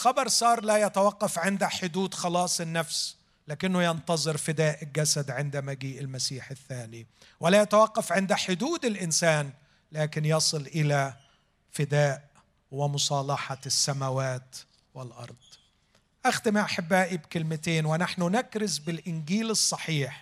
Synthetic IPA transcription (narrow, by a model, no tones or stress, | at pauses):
xɑbɑɾˤsˤɑːɾˤlæːjat̪awaqːɑfʕɪnd̪æħʊd̪uːd̪xɑlɑːsˤɪnːæfs | laːkɪnːʊjɑnt̪ɑzˤɨɾfɪd̪aːʔɡæsad̪ʕɪnd̪æmæɡiːʔɪlmæsiːħɪθːaːniwɪlæjat̪awaqːɑfʕɪnd̪æħʊd̪uːd̪ɪlʔɪnsaːn | laːkɪnjɑsˤɨlʔɪlæ | fɪd̪aːʔ | wɪmʊsˤɑːlɑħɑsːæmawaːt̪ | wɪlʔɑ̰ɾˤd̪̥ˤ | ʔaxt̪ɪmiʔaħabːæːʔibkɪlmɪt̪eːnwɪnaħnʊnakɾɪzbɪlʔɪnɡiːlɨsˤːɑħiːħ